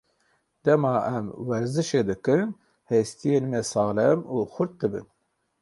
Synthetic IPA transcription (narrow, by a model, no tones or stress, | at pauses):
d̪̥ɛmɑːɛmwɛɾzɨʃeːd̪ɨkɨn | hɛst̪ijeːnmɛsɑːlɛmuːxʊɾt̪̚d̪ɨbɨ̰n